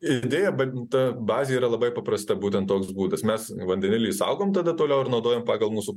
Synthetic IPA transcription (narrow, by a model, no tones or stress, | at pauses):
ɪd̪ʲeːjɛbɐt̪ɐbɑːzʲeiːɾɐlˠɐbɐɪpɐpɾɐst̪ɐbuːt̪ʲɛnt̪oːksbuːd̪ɐsmʲɛsʋɐnʲd̪ʲɛnʲɪlʲɪisɐ̰ʊɡoːmt̪ɐd̪ɐt̪oːlʲɛʊɪɾnɒʊd̪oːjoːmpɑːɡɐlˠmuːsu